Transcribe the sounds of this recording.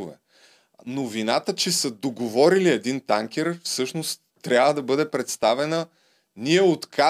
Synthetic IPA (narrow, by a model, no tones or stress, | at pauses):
ʊvɛ̰ | novinat̪ət͡ʃɛsɐd̪oɡovɔɾiliɛd̪int̪aŋkʲɛɾfsɤʃnost̪ː | ɾʲabvəd̪ɐbɤd̪ɛpɾɛt̪st̪avɛnə | niɛot̪kʰa